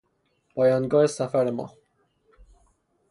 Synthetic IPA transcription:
pɒjɒːnɡɒːesafaɾemɒ̰ː

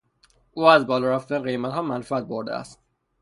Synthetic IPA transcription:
ʔuːæzbɒːlɒːɾæft̪ænɣe̞jmæt̪hɒːmænfæt̪̚boɾd̪ḛæ̰st̪

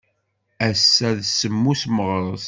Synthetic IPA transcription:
æsːæðsəmːusməʁɾˤəz

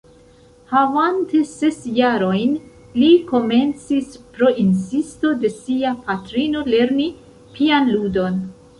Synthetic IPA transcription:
havantese̞sjaɾo̞jn | liko̞me̞nt͡sispɾo̞ʔinsisto̞de̞siapatɾino̞le̞ɾni | pʰianludo̞n

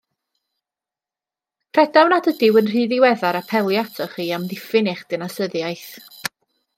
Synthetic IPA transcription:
pʰrɛdawnadədɪwənr̥iːðɪwɛðaɾapʰɛlˠjatʰɔχiːamðɪfɪnɪχd̥ɪnasəðjajθ

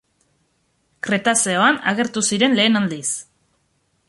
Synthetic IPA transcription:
kɾe̞t̪ase̞oanaɣe̞ɾt̪usiɾe̞nle̞ːnald̪is

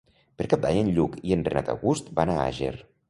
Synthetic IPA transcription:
pəɾkap̚d̪ajənʎukiənrenat̪a̰ɣust̪banaa̰ʒḛr

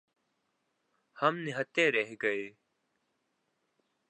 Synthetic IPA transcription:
həmnɪɦət̪eːɾeɦɡəeː

